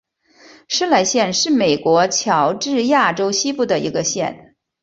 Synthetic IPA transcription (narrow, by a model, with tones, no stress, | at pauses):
ʂ̩˥la˧˥ɪɕjɛ˥˧nʂɻ̩˥˩me˨˩ɪkwɔ˧˥t͡ɕʰjɑ˧˥ʊʈ͡ʂɻ̩˥˧ja˥˩ʈ͡ʂo˥ʊɕi˥pu˥˩d̪ə˩ḭ˧˥ɡə˧ɕjɛ̰˥˩n